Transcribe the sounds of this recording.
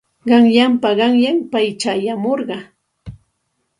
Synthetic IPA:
ɢɑŋʎampaɢɑŋʎampajt͡ʃajamoɾɢɑ

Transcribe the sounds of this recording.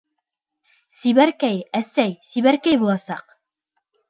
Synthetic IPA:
siβæɾkæjæsæjsiβæɾkæjbulˠɑsɑq

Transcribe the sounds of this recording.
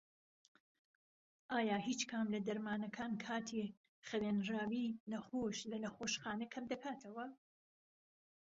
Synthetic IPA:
ʔaːjaːɦiːt͡ʃkʰamlɐd̪ɐɾmaːnɐkʰaːnkʰaːt̪ʰi | χɐɾeːnraːwiːnɐxoːʃlɐnɐxoːʃxaːnɐkʰɐmd̪ɐkʰaːt̪ʰɐwɐ

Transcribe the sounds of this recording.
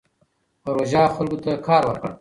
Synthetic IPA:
pɐɾoʒɑxalɡot̪akʰɑːɾwəɾkə̰ɽ

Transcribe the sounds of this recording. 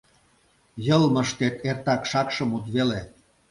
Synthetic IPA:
jəlməʃt̪et̪ert̪ɑkʃɑkʃə̆mut̪βele

